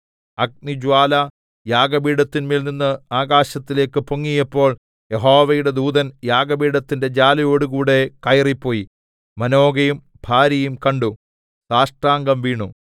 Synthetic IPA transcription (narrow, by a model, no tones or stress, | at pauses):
ɐk̚nid͡ʑwaːlɐ | jaːɡɐbiːɽɐt̪ːinmiːlninːɨaːɡaːɕɐt̪ːile̞ːkːɨpoŋːijɐpːo̞ːɭ | jeɦo̞ːʋɐjuɽe̞d̪uːd̪ɐnjaːɡɐbiːɽɐt̪ːinde̞d͡ʑaːlɐjo̞ːɽuɣuːɽe̞kɐjripːo̞ːji | mɐno̞ːɡɐjum | bʱaːɾɐjumkɐɳɖu | saːʂʈraːŋɡɐmʋiːɳu